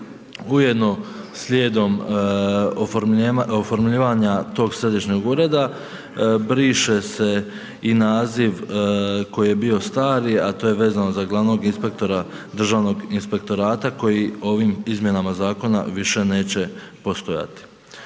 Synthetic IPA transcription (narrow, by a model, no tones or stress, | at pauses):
uje̞d̪no̞slʲjeːd̪o̞m | ofoɾofoɾmʎiːʋaɲat̪o̞ːɡsɾe̞d̪iʃɲoɡuɾe̞d̪a | bɾiʃe̞se̞ | inaːziʋko̞jije̞bio̞st̪aːɾiat̪o̞ːje̞ʋe̞ːzanozaɡlˠaʋno̞ɡinspe̞k̚t̪o̞ɾa | d̪r̩ʒaːʋno̞ɡinspe̞k̚t̪o̞ɾaːt̪ako̞jio̞ʋiːmizmje̞namazaːko̞na̰ʋiʃe̞ne̞ːt͡ɕe̞po̞st̪o̞ja̰t̪i̥